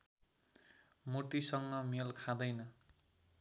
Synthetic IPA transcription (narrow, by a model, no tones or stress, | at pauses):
mut̪isʌŋɡʌmelkʰad̪ʌjnʌ